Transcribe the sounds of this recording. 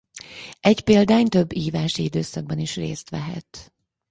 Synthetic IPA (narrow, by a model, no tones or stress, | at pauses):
ɛɟpeːld̪aːɲt̪ø̞bːiːvaːʃiid̪øːsɒɡ̚bɒniʃrḛːst̪ʋɛɦɛ̰t̪